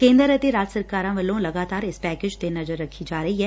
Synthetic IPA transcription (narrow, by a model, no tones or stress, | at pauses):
kẽːnd̪əɾɐt̪iɾaːd͡ʒsɐɾkaːɾãʋɐlõlɐɡaːt̪aːɾɪspɛːkeːd͡ʒt̪enɐzəɾːɐkʰːid͡ʒaːɾɐɦiɦɛː